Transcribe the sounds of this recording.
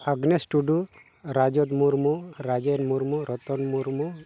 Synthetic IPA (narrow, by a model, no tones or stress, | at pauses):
aɡnesʈuɖu | ɾad͡ʒɔd̪muɾmuɾad͡ʒenmuɾmuɾɔt̪ɔnmuɾmu